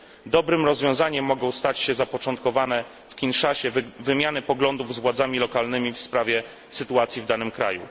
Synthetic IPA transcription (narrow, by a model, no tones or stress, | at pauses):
d̪ɔbɾɘmɾɔzvʲjɔ̃w̃zaɲɛmːɔɡɔ̃w̃st̪at͡ɕɕɛzapɔt͡ʂɔnt̪̚kɔvanɛ | fkʲinʂaɕɛvɘmʲjanɘpɔɡlɔnd̪uvzvwad̪zamʲilɔkalnɘmʲifspɾavʲjɛ | sɘt̪uat̪sʲjivd̪anɘmkɾa̰jṵ